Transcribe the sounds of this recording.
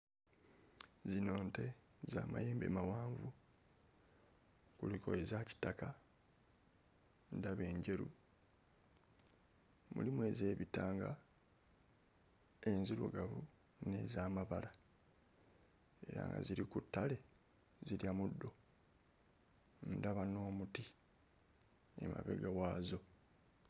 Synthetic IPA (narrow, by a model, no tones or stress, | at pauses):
zino̞ːnte̞ | za̰ːma̰jeːmbe̞̰mawaːɱvu | kuliko̞̰ezaci̥taka | ndaβe̞ːɲɟe̞ɾṵ | mṵlimwe̞ze̞ːβitaːŋɡa | e̞nziɾṵɡaβu | ne̞zaːmaβala | e̞ɾa̰ŋɡa̰ziɾikutːale̞ | ziljamudːo̞ | ndaβano̞ːmuti | ḛma̰βe̞̰ɡawaːzo̞